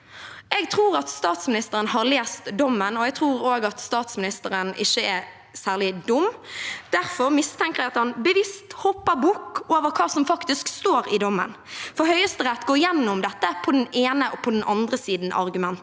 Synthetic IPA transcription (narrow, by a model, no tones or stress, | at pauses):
ɛɡ̚t̪ʰʁuːɾɑt̪st̪ɑːt̪smɪnɪst̪əɾənɦɑʁleːst̪d̪ɔmːənɔɛɡ̚t̪ʰɾuːɾoːɡɑt̪st̪ɑːt̪smɪnɪst̪əɾənɪʃːəɛ | sæːʁlɪd̪ʊmːd̪̥æɾfɔɾmɪst̪ʰɛŋkəʁɛɡɑt̪hɑnbəʋɪst̪hɔpːəɾbuːkːoːʋəɾkʰɑːsɔmfɑkt̪ɪskst̪oːɾɪd̪ɔmːə̰n | fɔhœʏəst̪əɾɛt̪ːɡoːjɛnːʊmd̪ɛt̪ːəpʰɔd̪ɛneːnəʔɔpʰɔd̪ɛnɑnd̪ɾəsiːd̪n̩ʔɑ̰ʁɡʉmɛnt̪